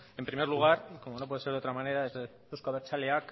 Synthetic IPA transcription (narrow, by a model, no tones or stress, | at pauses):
empɾimeɾluɣ̞aɾkomo̞nopwe̞eseɾðeot̪ɾamane̞ɾaezðe | uskoaβeɾt͡ʃaleak